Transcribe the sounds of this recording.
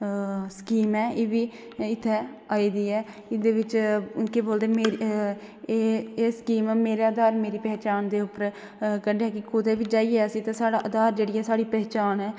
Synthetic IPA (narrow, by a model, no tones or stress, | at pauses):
skiːmɛːʔeːʋiː | ɪt̪ʰːɛːaːiːd̪iːɛː | ɪd̪eːʋɪt͡ʃkeːboːld̪eːmeɾː | eːskiːmɛːmeːɾeːəd̪aːɾmeːɾiːpɛːt͡ʃaːnd̪eːʊpəɾ | kəɖeɛːkɪkʊd̪eːbiːd͡ʒaːiːeːəsĩːt̪ãːsaːɽaːʔəd̪aːɾd͡ʒeːɽiːɛːsaːɽiːpɛːt͡ʃaːnɛː